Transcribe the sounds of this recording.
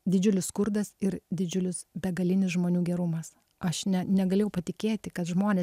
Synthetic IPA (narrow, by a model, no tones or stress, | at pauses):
d̪ʲɪd͡ʒʲʊlʲɪsskʊɾd̪ɐsɪɾd̪ʲɪd͡ʒʲʊlʲɪsbʲɛɡɐlʲɪnʲɪsʒmoːnʲuːɡʲɛɾʊmɐs | ɐʃnʲɛnʲɛɡɐlʲeːjɛʊpɐt̪ʲɪkʲeːt̪ʲɪkɐt̪ʒmoːnʲeːs